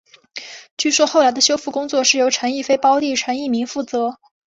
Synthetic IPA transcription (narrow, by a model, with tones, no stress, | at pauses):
t͡ɕy˥˩ʂwɔ˥xo˥˩ʊla˧˥ɪd̪ə˧ɕjo˥fu˥˩kʊ˥ŋt͡swɔ˥˧ʂɻ̩˥˩jo˧˥ʊʈ͡ʂʰa˧˥ni˥˩fe˥ɪpɑ˥ʊt̪i˥˩ʈ͡ʂʰə˧˥ni˥˩mi˧˥ŋfu˥˩t͡sɤ˧˥